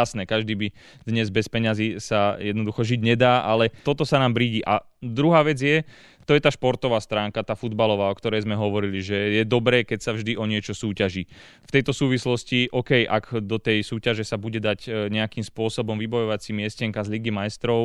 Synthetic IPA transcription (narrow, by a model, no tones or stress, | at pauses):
asnɛːkaʒd̪iːbi | d̪̥ɲɛzbɛspɛɲazisajɛd̪nɔd̪uxɔʒiɟɲɛd̪aːʔalɛt̪ɔt̪ɔsanaːmbɾiːɟiːʔa̰ | d̪ɾuɦaːʋɛd͡zjɛ | t̪ɔjɛt̪aːʃpɔɾt̪ɔʋaːst̪ɾaːŋkat̪aːfud̪balɔʋaːɔkt̪ɔɾɛjzmɛɦɔʋɔɾiliʒɛjɛd̪ɔbɾɛːkɛcsavʒd̪iʔɔɲɪɛt͡ʃɔsuːcaʒi | ft̪ɛjt̪ɔsuːʋislɔsciʔɔkɛjʔakd̪ɔt̪ɛjsuːcaʒɛsabuɟɛd̪aɟɲɛakiːmspʊɔsɔbɔmʋibɔjɔʋat͡simɪɛscɛŋkazliɡimajst̪ɾɔʊ